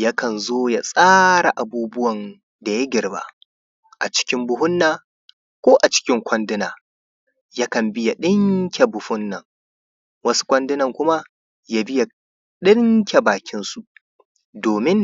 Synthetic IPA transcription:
ja˦kɐ˨nzoː˦ja˦sʼaː˦ɽa˨ʔa˨buː˦bʊ˦wɐ˨n | da˨ja˦ɡʲɪ˨ɽba̰˦ | ʔa˨t͡ʃɪ̥˦kʲɪ˦mbʊ˦hʊ˦nːaː˨ | kʷoː˦ʔa˨t͡ʃɪ̥˦kʲɪ˦ŋkʷɐ˦ndɪ˦naː˨ | ja˦kɐ˨mbɪ˦ja˨ɗɪ˦ŋkʲe˨bʊ˨hʊ˦nːɐ˨ŋ | wɐ˦su̥˦kʷɐ˦ndɪ˦nɐ˨ŋkʷʊ˦ma˦ | ja˦bɪ˦ja˨ | ɗɪ˦ŋkʲe˨baː˨kʲɪ˦nsu˨ | doː˨mɪ˦n

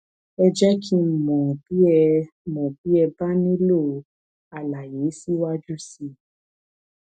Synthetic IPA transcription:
ɛ˧d͡ʒɛ˦kʰĩ˦˨mɔ̃˨b̥i˦ɛ˧ | mɔ̃˨b̥i˨˦ɛ˧ba˦nĩ˦lo˦˨ | a˨la˨je˨˦si˦wa˦d͡ʒu˦si˧

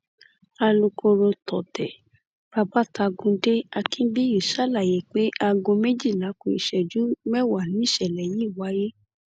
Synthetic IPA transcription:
a˧lo˧kʰo˧ɾo˧tʰɔ˨tɛ˨ | b̥a˨ba˦ta˧ɡũ˧de˦a˧kĩ˦bi˦ji˨ʃa˦˨la˨je˨k͡pe˦ʔa˧ɡõ˧me˦d͡ʒi˦˨la˨˦kũ˧ḭ˨ʃɛ˨d͡ʒu˦mɛ˦˨wa˨nĩ˨˦˨ʃɛ˨lɛ˨ji˦˨wa˨˦je˦

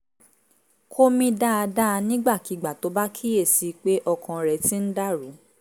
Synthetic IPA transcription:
kʰo˦mĩ˧da˦a˧da˦a˧nĩ˦ɡ͡ba˦˨ki˨˧ɡ͡ba˨to˨˦ba˦kʰi˦je˦˨si˨˦k͡pe˦ʔɔ˧kʰã˧ɾɛ˧˨ti˦n̩˦da˦˨ɾu˨˦

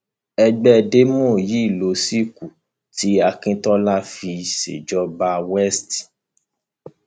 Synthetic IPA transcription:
ɛ˧ɡ͡bɛ˦˧de˦mɔ̃˦˨ji˨˦˨lo˨˦si˦˨ku˨ | ti˨˦a˧kĩ˦tɔ˦la˦fi˧sḛ˨d͡ʒɔ˦ba˧wɛ˦st

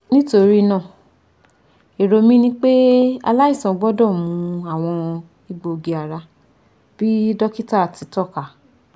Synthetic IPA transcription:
nĩ˦to˧ɾi˦nã˦˨ | e˨ɾo˧mĩ˦nĩ˦k͡pe˦a̰˧la˦i˦˨sɔ̃˧ɡ͡bɔ˦dɔ̃˦˨mũ˨˧˦a˦˨w̃ɔ̃˧ | i˧˨ɡ͡bo˨˧ɡe˧a˨ɾa˧ | b̥i˦dɔ˦ki˦ta˦˨ti˨˦tɔ˦˨ka˨

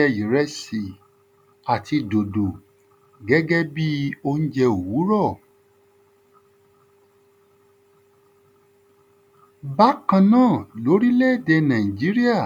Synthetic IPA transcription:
ɛ˧i˨ɾɛ˧˦si˨ | a˨ti˧do˨do˨ | ɡɛ˦ɡɛ˦bi˦o˧ñ̩˦d͡ʒɛ˧o˨wu˨˦ɾɔ˦˨ | ba˦kã˧nãː˦˨lo˨˦ɾi˦lɛ˦˨dɛ˧nã˨ĩ˨d͡ʒi˨˦ɾi˦a˦˨

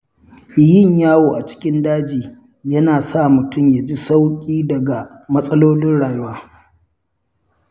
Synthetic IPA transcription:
jɪ˦ɲjaː˦woː˨ʔa˨t͡ʃɪ̥˦kʲɪ˦ndaː˦d͡ʒiː˨ | jɐ˦naː˨sa˦˨mʊ˨tʊ˦˨mja˨d͡ʒi˦sa˦wkʲʼiː˦dɐ˨ɡa˨ | mɐ˦sʼɐ˦loː˦lɪ˦nɽaː˨jʊ˦waː˦

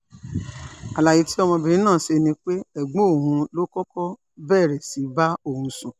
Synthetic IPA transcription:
a˨la˨ji˧ti˦ɔ˧m̃ɔ̃˧bi˨ĩ˦nãː˦˨se˧nĩ˧k͡pe˦ɛ˨ɡ͡bo˦˨ɦũ˧˦lo˦kɔ˦kɔ˦ | bɛː˦˨ɾɛ˨si˨˦ba˦o˦˨hũ˧sũ˨

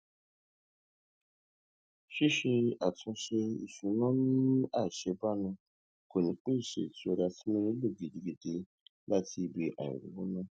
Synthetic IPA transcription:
ʃi˦ʃi˧a˨tũ˧ʃe˧ḭ˨ʃũ˨nã˦nũ˦a˦˨ʃe˧ba˦nũ˧ | ko˨nĩ˨˦k͡pi˦˨ʃḛ˨ti˧˦o˧da˧ti˦mẽ˦ɾi˦lo˦˨ɡi˨de˨ɡe˧de˧ | la˦ti˧be˧ʔa̰˨jṵ˨ɾṵ˨wũ˦nã˦

